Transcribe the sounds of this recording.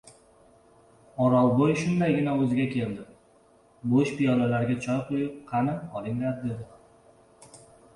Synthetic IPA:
ɒɾɒwbojʃʊnd̪ajɡʲɪnaɵzɪɡʲakʲʰe̞ld̪ɪ | boʃpijɒnalaɾɡʲat͡ʃʰɒjqʰojɪp̚qʰɑnɪhɒlɪŋʲɾaɾ̚d̪e̞d̪ɪ

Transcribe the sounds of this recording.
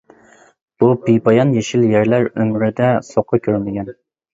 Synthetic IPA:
b̥ubijbɑjɑnjeʃiljæɾlæɾømɾɪd̪ɛsoqʰːɑkʲʰøɾmɪɡʲɛn

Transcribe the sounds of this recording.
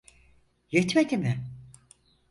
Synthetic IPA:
jet̪med̪imɪ

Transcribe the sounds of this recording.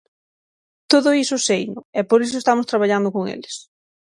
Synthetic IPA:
t̪oðʊisʊsejnʊɛpoɾis̬ʊest̪amʊst̪ɾaβaʎand̪ʊkoŋḛlɪs

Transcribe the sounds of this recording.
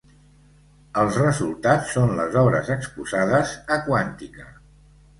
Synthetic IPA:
əlˠzrəzulˠt̪at͡sːonlə̰zɔβɾə̰zəkspuzaðəzəkwant̪ikə

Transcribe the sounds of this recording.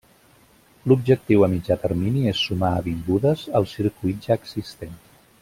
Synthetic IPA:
lub̚ʒək̚t̪iwəmid͡ʒat̪ərminiesːumaəβiŋɡuðəzəlˠsiɾkuit̪̚ʒaəɡzist̪en

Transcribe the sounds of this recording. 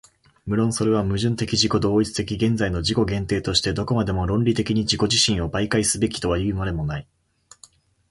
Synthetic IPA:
mɯ̟ɾõ̞ɰ̃so̞ɾe̞β̞amɯ̟ʑɨ̃nt̪e̞kʲiʑiko̞d̪o̞ːit͡sɨ̥t̪e̞kʲiɡẽ̞nd͡zaino̞ʑiko̞ɡẽ̞nt̪e̞ːt̪o̞ɕi̥t̪e̞d̪o̞ko̞mad̪e̞mo̞ɾõ̞nɾʲit̪e̞kʲiɲ̟id͡ʑiko̞ʑiɕĩɰ̃o̞baikaisɨbe̞kʲi̥t̪o̞β̞ajɯ̟maɾe̞mo̞nai

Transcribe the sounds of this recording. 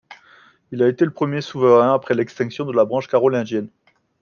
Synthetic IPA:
ilaet̪eləpχəmjesuvəʁɛ̃apχɛlɛkst̪ɛ̃ksjɔ̃d̪əlabʁɑ̃ʃkaʁɔlɛ̃d̪jɛn

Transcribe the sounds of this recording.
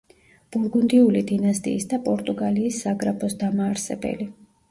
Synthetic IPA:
b̥uɾɡund̪iulid̪inast̪ʼḭisd̪apʼɔɾt̪ʼuɡaliːsːaɡɾapʰɔsd̪amaːɾsɛbɛ̰li

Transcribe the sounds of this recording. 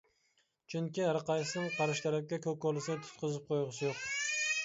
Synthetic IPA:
t͡ʃʰʊŋkʲiɾɑqɑjsɪnɪŋqʰɑɾɪʃt̪æɾɪkʲkʲɛkʲʰøkːɔlˠɨsɪnɪt̪ʰʊ̥t̪̚qʰɨzɨp̚qʰojʁɨsɪjoq

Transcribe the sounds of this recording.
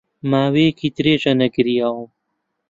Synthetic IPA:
maːweːkit̪ɾeːʈ͡ʂɐnɐɡiɾijaum

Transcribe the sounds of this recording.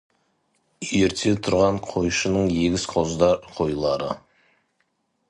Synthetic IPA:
je̞ɾt̪ʰe̞t̪ʰʊɾʁɑɴqʰo̞jʃənəɴje̞ɡʲɪsqʰo̞zd̪ɑqʰo̞jlˠɑɾə

